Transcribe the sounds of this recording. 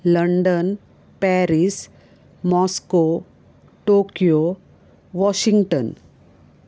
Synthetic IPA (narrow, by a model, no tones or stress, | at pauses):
ləɳɖən | pɛɾis | mɔsko | ʈokijo | ʋɔɕiŋɡʈən